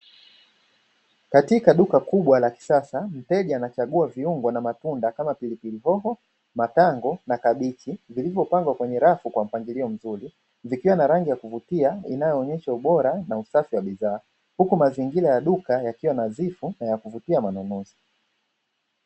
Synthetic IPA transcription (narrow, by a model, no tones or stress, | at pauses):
katikaɗukakuɓwalaki̥sasam̩tɛʄaanat͡ʃaɠuaviuŋɡwɔnamatundakamapilipiliɦɔɦɔ | mataŋɡɔnakaɓit͡ʃivilivjɔpaŋɡwakwɛɲɛɾafukwam̩paŋɡiliɔm̩zuli | vikiwanaɾaŋɡijakuvutiainajɔːɲɛʃauɓɔɾanausafiwaɓizaː | hukumaziŋɡilajaɗukajakiwanazifunajakuvutiamanunuzi̥